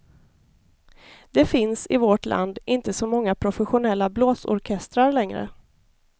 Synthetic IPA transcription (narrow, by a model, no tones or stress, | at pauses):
d̪̥ɛfɪnsɪvɔʈlʔa̰nd̪ʔɪnt̪əsɔmɔŋːapʰɾʊfɛɧʊnɛlːabloːsɔ̰ɾkʰɛst̪ɾaɾlɛŋɾə̰